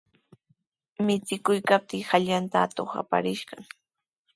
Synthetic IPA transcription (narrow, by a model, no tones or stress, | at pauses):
mɪt͡sɪkʊjkap̚t̪ɪːhaʎant̪aːt̪oχa̰pa̰ɾɪʃɢɑŋ